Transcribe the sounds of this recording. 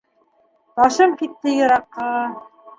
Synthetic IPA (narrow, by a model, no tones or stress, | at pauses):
b̪ɑʃɤmkit̪ːɘjɤ̆ɾɑqːɑ